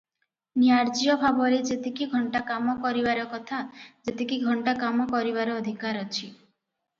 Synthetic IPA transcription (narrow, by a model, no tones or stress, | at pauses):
nijaɾd͡ʒiɔbʱabɔɾed͡ʒet̪ikiɡʱɔɳʈakamɔkɔɾibaɾɔkɔt̪ʰad͡ʒet̪ikiɡʱɔɳʈakamɔkɔɾibaɾɔːd̪ʱikaɾɔt͡ʃʰi